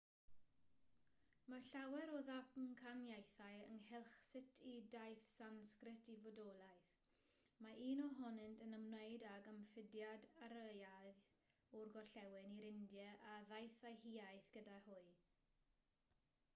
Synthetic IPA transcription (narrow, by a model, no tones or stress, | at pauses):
maɬawɛɾɔðapnkʰanjajθaɨəŋhɛlˠχsɪtʰidajθsanskrɪtʰivɔdɔlˠajθ | maʔiːnɔɦɔnɨntʰənəmnejdaɡəmfɪdjadaɾəjað | ɔrɡɔɬɛwɪniɾɪndjəʔaðajθajhiːajθɡ̥ədahʊɨ